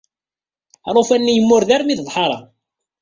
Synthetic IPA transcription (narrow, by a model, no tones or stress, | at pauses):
ɾˤofænːijəmːʊɾðæɾmiððˤħɑɾˤɑ̰